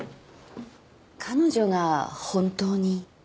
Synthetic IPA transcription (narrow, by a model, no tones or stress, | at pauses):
kʰano̞ʑo̞ŋahõ̞nt̪o̞ːɲ̟i